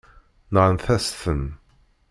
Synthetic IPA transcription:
nəʁənθæsθən

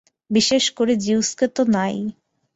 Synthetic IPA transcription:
biʃeʃkoɾed͡ʑiwsket̪onaj

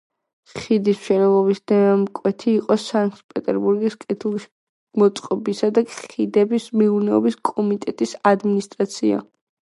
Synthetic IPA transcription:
χid̪ism̥ʃɛnɛlˠɔbisd̪ɛmkʼwɛt̪ʰiːqʼɔsaŋpʼɛt̪ʼɛɾbuɾɡiskʼɛt̪ʰulˠiʃ | mɔt̪sʼqʼɔbisad̪akʼχid̪ɛbismiuɾnɛɔ̰biskʼɔmit̪ʼɛt̪ʼisad̪minist̪ʼɾat̪sʰia̰

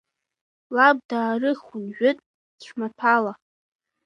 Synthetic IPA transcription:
lab̚daːrɨχʊnʒᶣʊtʼ | dt͡ɕʷʰmatʰala

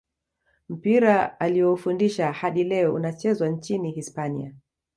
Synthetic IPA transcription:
m̩piɾaalijɔufundiʃahaɗilɛɔṵnat͡ʃɛzwant͡ʃinihispanḭa̰

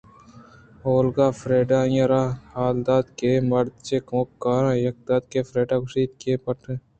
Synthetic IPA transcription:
oːlɡaːfɾeːɖãːjɐɾaːaːld̪aːd̪keːmɐɾt͡ʃeːkoːkːaːɾãːjɐk̚d̪aːd̪keːfʰɾeːɖaːkʊʃiːt̪keːpɐʈeː

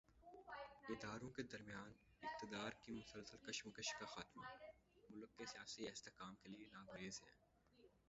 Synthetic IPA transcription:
ɪd̪aːɾõked̪ɐɾmijaːn | ɪq̚t̪ɪd̪aːɾkimʊsəlsəlkɐʃmʊkəʃkaxaːt̪ma̰ | mʊlkːesijaːsiɛːst̪ekaːmkelienaːɡɾeːzɦɛ̰ː

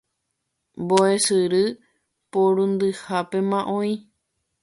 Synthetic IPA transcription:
mboesɨɾɨ | poɾũnd̪ɨhape̞mãʔõĩ

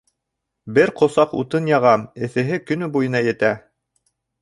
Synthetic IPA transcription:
bɘɾqʰŏsɑqṵt̪ɤnjɑʁɑmɘ̆θɘ̆ɦɘkɵ̆nɵbujɤ̆nɑjɘ̆t̪æ

